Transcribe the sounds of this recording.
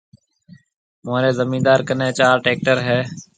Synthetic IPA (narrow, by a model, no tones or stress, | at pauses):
moːɾeːzəmĩːnd̪aːɾkənẽːt͡ʃaːɾʈeːk̚ʈəɾɦɛː